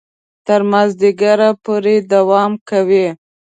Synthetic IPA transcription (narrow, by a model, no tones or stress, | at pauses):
t̪əɾmazd̪ɪɡaɾapoɾed̪awɑmkawi